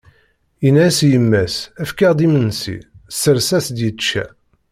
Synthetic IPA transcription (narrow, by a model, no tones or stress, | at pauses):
inæsjəmːæsæfkæʁd̪imənːsḭsəɾsæsd̪jət͡ʃːæ̰